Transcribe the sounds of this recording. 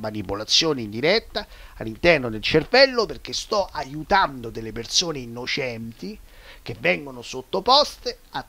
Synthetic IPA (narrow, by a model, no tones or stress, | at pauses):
manipolat̪sːjoːneind̪iɾɛt̪ːaa̰lːint̪ɛrnod̪elt͡ʃervɛlːoperk̟est̪ɔʔajut̪and̪od̪elːepersoːneinːot͡ʃɛnt̪i | k̟evːɛŋɡonosot̪ːopɔst̪e | a